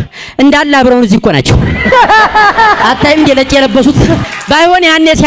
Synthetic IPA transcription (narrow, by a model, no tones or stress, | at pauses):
ʔɨnd̪alːaβɾəwnɨzːibkʷʼona̰t͡ʃːɛ̰w | ʔat̪ʰːajmɨnd̪jelət͡ʃʼijɛləbːəsut̪bajhonjanːes